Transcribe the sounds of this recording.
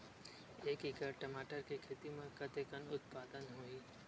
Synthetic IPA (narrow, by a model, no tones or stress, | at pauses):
eːkikəɾʈɐmaːʈəɾkikʰeːt̪imẽkɐt̪eːkənʊt̪̚paːd̪ənɦoiː